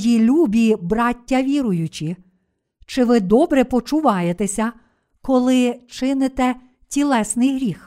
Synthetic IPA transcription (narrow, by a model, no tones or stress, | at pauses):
jilʲubʲibɾɑtʲːɐʋʲiɾʊjʊt͡ʃʲi | t͡ʃɪʋɪd̪ɔbɾɛpɔt͡ʃʊʋɑjet̪esʲɐ | kɔlˠɪt͡ʃɪnɪt̪ɛ | tʲilˠɛsnɪjɦɾʲix